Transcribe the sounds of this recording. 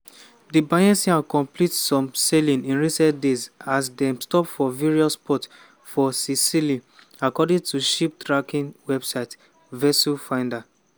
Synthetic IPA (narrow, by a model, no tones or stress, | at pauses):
dibajɛ̃nsiãnkɔ̃mplitsɔ̃mselĩnĩnɹisɛ̃ntdezasdɛ̃mstɔpfɔviɹiɔspɔt | fɔsisili | akɔdĩntuʃip̚tʰɹakĩnwɛbsaɪt | vɛsufãɪ̃nda